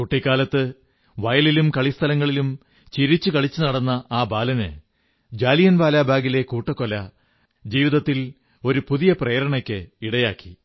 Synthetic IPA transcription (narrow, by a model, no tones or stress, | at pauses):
kuʈːikːaːlɐt̪ːɨ | ʋɐjɐlilumkɐɭist̪ʰɐlɐŋːɐɭilum | t͡ɕiɾit͡ɕːukɐɭit͡ɕːunɐɽɐnːɐaːbaːlɐnɨ̰ | d͡ʑaːlijɐnʋaːlaːbʱaːɡile̞kuːʈːɐkːo̞lɐ | d͡ʑiːʋiðɐt̪ːil | o̞ɾupuðijɐprejɾɐɳɐkʲːɨiɽɐjaːkːi̥